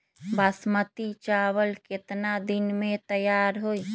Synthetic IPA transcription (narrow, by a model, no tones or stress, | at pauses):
bəsmət̪it͡ʃaβəlket̪nad̪inmẽt̪əjaɾɦoi